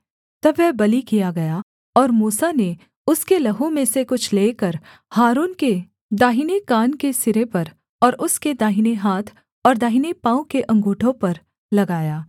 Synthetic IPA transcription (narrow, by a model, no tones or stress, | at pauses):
t̪ɐbːɛɦbɐlikijaɡɐja | ɔːɾmuːsane | ʊskelɐɦõmẽsekʊt͡ʃʰleːkɐɾ | haːɾuːnke | d̪aːɦinekaːnkesɪɾepɐɾ | ɔːɾʊsked̪aːɦineɦaːt̪ʰ | ɔːɾd̪aːɦinepãːõkeʔɐ̃ŋɡuːʈʰõpɐɾ | lɐɡaːjaː